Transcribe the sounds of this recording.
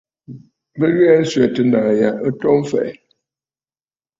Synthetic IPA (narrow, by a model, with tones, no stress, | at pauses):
bə˦ɣa˦n̩˦sɥɛ˨tə˨na˨ja˨ʔə˦tɔ˦m˦fɛ̰˨